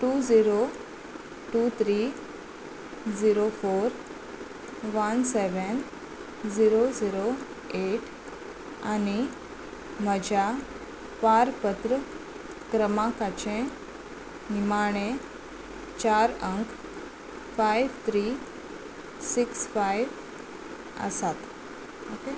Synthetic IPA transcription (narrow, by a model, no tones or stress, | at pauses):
ʈud͡ziɾo | ʈut̪ʰɾi | d͡ziɾofoːɾ | ʋənseʋən | d͡ziɾod͡ziɾo | eʈ | ani | məd͡ʑʱa | paɾpət̪ɾə | kɾəmakat͡ɕẽ | nimaɽ̃e | t͡ɕaɾəŋkʰ | fajʋt̪ʰɾi | siksfajʋ | ə̰sat̪ | oke